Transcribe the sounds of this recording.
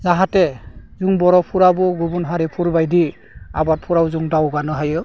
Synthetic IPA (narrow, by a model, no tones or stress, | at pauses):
zaɦatezuŋbɔɾɔpʰuɾabɔɡubunɦaɾipʰuɾbajdi | a̰bat̚pʰuɾawzuŋdawɡanɯɦajɯ